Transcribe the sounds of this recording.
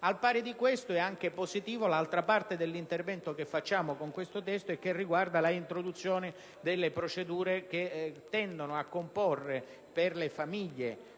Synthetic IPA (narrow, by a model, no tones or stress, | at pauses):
alpaːɾed̪ikwest̪oɛaŋk̟epozit̪iːvolalt̪ɾapart̪ed̪elːint̪ervɛnt̪okefːat͡ʃːaːmokoŋkwest̪ot̪ɛst̪oek̟ːerːiɡward̪alaint̪ɾod̪ut̪sːjoːnɪ | d̪elːepɾot͡ʃed̪uːɾek̟et̪ːɛnd̪onoakːomporːe | perlefamiʎːe